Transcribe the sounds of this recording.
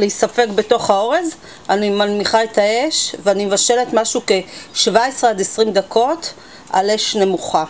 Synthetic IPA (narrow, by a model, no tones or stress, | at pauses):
leisafe̞kbe̞to̞χhao̞ʁez | animanmiχaetʰae̞ʃveanimevaʃe̞let̪maʃuke̞ʃvaesʁead̪esʁimd̪akʰo̞t | a̰le̞ʃne̞muχa